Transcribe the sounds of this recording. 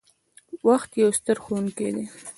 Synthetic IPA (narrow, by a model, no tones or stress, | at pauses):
waxt̪jawst̪əɾxowuŋked̪e